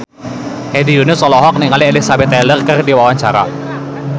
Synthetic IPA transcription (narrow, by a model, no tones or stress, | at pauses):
hedijunʊsɔlɔɦɔk̚nɪŋalielisabɛt̪ːɛlərkɨrdiwawaɲt͡ʃaɾa̰